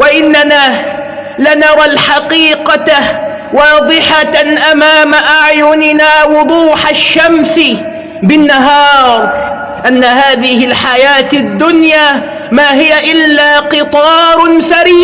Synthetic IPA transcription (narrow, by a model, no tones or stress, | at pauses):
waʔɪnːanaː | lanɑɾˤɑlħɑqiːqɑa | wɑːd̪ˤɨħaʔamaːmaʔaʕjʊnɪnaːwʊd̪ˤuːħaʃːamsɪ | bɪnːaɦɑːɾˤ | ʔanːahaːðɪhɪlħajaːt̪ad̪ːʊnjaː | maːɦɪjaʔɪlːaːqɨt̪ˤɑːɾˤsaɾiː